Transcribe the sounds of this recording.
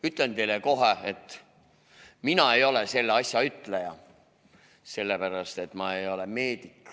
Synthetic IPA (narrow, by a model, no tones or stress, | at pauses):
yt̪ˑlent̪e̞jleko̞ɦeet̪ːˑ | minɑe̞jo̞lese̞lːeɑsʲjɑyt̪lejɑ | se̞lːepæɾɑst̪e̞t̪ːˑmɑe̞jo̞leme̞ːd̪ikˑ